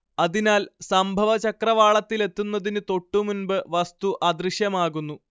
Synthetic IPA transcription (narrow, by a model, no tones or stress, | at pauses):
ɐðinaːlsɐmbʱɐʋɐt͡ɕɐkrɐʋaːɭɐt̪ːile̞t̪ːunːɐðinɨt̪o̞ʈːumunbɨʋɐst̪uʔɐd̪riɕjɐmaːɣunːu